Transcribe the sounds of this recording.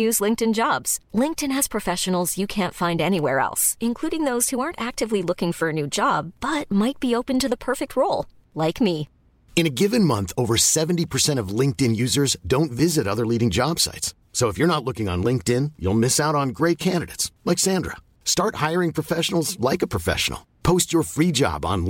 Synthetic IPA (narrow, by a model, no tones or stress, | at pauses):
jʉzlɪ̃ŋk̚tɨ̃nd͡ʒɑbz̥lɪ̃ŋk̚tɨ̃nɨz̥pʰɹ̥ɨfɛʃɨn̩l̩ˠzjɨkʰæ̃ntfãɪ̃ndɛniwɛɹɛ̰lˠsɨ̃nkʰl̥uɾɪ̃ŋðoʊz̥huɑɹntæk̚tɨvlilʊkɪ̃ŋfə˞ɨnʉd͡ʒɑb̥ʌt̚maɪt̚b̥ioʊpɨ̃ntɨðəpʰɜ˞fɨk̚t̚ʰɹoʊlˠ | laɪkmi | ɨ̃nɨɡɪvɨ̃nmʌ̃nθoʊvə˞sɛvn̩tipʰə˞sɛ̃ɾ̃ʌvlɪ̃ŋk̚tɨ̃njʉzə˞zdõʊ̃ntvɪzɨɾʌðə˞liɾɪ̃ŋd͡ʒɑb̥sa̰ɪtsːoʊəfjə˞ñətˡlʊkɪ̃ŋə̰̃nlɪ̃ŋk̚tɪ̃njṵlˠmɪsaʊɾn̩ɡɹeɪt̚kʰæ̃ndɨɾeɪtslɛksæ̃ndɹə̰ | stɑɹt̚haɪə˞ɪ̃ŋpʰɹ̥əfɛʃn̩l̩ˠzlaɪkəpʰɹ̥əfɛ̰ʃn̩̰l̩ˠpʰoʊst͡ʃə˞fɹid͡ʒɑ̰bn̩